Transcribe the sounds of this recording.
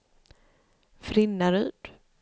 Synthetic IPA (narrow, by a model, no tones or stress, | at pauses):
fɾɪnːaɾʉːd̪̥